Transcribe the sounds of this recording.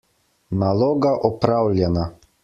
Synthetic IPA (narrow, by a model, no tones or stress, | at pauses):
nalɔːɡaʔɔpɾawlʲjɛna